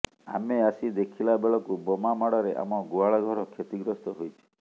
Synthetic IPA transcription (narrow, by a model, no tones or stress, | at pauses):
a̰measid̪ekʰilabeɭɔkubɔmamaɽɔɾeʔa̰mɔɡuaɭɔɡʱɔɾɔkʰet̪iɡɾɔst̪ɔɦojt͡ʃʰi̥